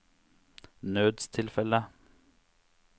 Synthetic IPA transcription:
nøːd̪st̪ʰɪlfɛlə

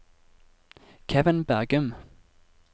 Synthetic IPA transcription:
kʰɛvɪnbæʁɡʉm

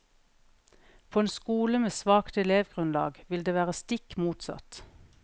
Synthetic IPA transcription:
pʰoːeːnskuːləmeːsʋɑːkt̪ɛleːʋɡʁʉnlɑ̰ːɡʋɪld̪eːʋæːʁəst̪ɪkmuːt̪sɑ̰t̪

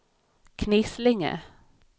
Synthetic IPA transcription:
kʰnɪslɪŋə̰

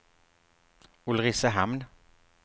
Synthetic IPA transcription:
ʊlʁɪsəɦamn

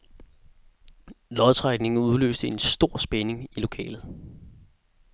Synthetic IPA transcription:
lɒðˠt͡sʰʁɑɡ̥ne̝ŋ̩uð̞ˠlø̰ːsd̥əe̝nsd̥o̝ɐ̰sb̥ene̝ŋilo̝kʰɛ̰ːlð̩ˠ

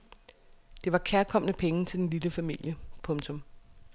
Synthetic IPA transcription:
d̥e̝ʋɑ̈kʰæɐkʰɒ̽m̰nəpʰeŋət͡sʰe̝d̥enliləfæmil̰jəpʰɔ̽mt͡sʰɔ̽m

